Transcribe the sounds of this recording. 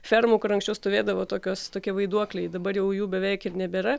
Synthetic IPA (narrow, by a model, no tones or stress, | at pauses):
fʲɛɾmuːkʊɾɐŋksʲt͡ʃʲɛʊst̪oːʋʲeːd̪ɐʋoːt̪oːkʲoːst̪oːkʲiɛʋɐɪd̪uɔklʲɛɪd̪ɐbɐɾjɛʊjuːbʲɛʋʲɛɪkɪɾnʲɛbʲeːɾɐ